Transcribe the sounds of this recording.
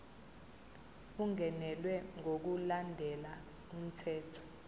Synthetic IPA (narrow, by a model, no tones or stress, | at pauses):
uŋɛnɛlwɛŋok̬ulandʱɛla | um̩tʰɛːtʰɔ̥